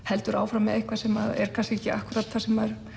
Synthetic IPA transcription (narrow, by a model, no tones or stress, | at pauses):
hɛlt̪ʏɾaːwfɾamːɛðehkvasɛmaðɛ̰ɾ̥kʰansecːɪa̰hkʏɾat̪θasɛmaɛɾ̥